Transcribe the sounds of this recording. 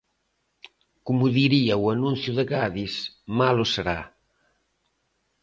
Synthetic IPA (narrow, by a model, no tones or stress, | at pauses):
kumuðiɾiawanũn̟θjuðeɣaðismaloseɾa